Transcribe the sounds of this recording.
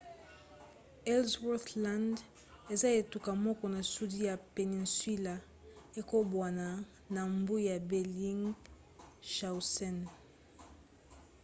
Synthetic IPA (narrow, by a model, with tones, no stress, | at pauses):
ɛ˦lzwɛ˦θla˦nd | e˨za˦e˨tu˨ka˨mɔ˦kɔ˨na˨su˦di˦ja˨pe˨ni˨nswi˦la˨ | e˨ko˦bwa˨na˨ | na˨mbu˦ja˨bɛ˨li˦ŋ | ʃa˨u˨sɛ˦n